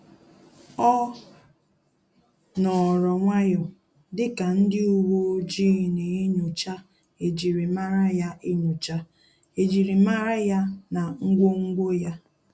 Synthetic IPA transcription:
ɔ˦ | nɔ˨ɾɔ˨ŋʷa˦jɔ˨ | dɪ˦ka˨n̩˦dɪ˦u˦wo˦d͡ʒi˦˨ne˨e˦ɲʊ˨t͡ʃa˦ | e˨d͡ʒi˨ɾi˨ma˦ɾa˦ja˦ʔi˦ɲu˨t͡ʃa˦ | e˨d͡ʒi˨ɾi˨ma˦ɾa˦ja˦na˨ŋ̩˦ɡʷo˦ŋ̩˦ɡʷo˦ja˦

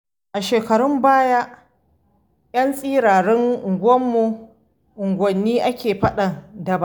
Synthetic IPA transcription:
ʔa˨ʃeː˨kɐ˨ɾʊ˦mbaː˦ja˦ | j̰ɐ˦nsʼiː˦ɾaː˨ɽɛ˦ŋʔʊ˨ŋɡʷɔ˦mːu˨ | ʔʊ˨ŋɡʷɔ˨nːiː˦ʔa˦kʲeː˨ɸɐ˦ɗɐ˨dɐ˨ba˦˨

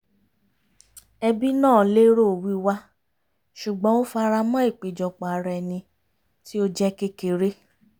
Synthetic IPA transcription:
ɛ˧bi˦nãː˦˨le˦ɾo˦˨wi˦wa˦ | ʃu˨ɡ͡bɔ̃˨˦o˦fa˧ɾa˧mã˦i˦˨k͡pe˨d͡ʒɔ˨k͡pɔ̃˨a˨˧ɾɛ˨˧˨nĩ˧ | ti˦o˦d͡ʒɛ˦ke˦ke˨ɾe˦

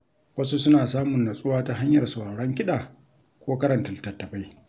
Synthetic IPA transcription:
wɐ˦su˦sʊ˦naː˨saː˦mʊ˨nːa˨sʼʊ˦waː˦ta˦ɦa˦ɲjɐ˨rsʊ˨a˨ɽɐ˦ŋkʲɪ˦ɗaː˨ | kʷoː˦kɐ˦ɾɐ˨ntɐ˨ltɐ˨tːɐ˨ba˦j

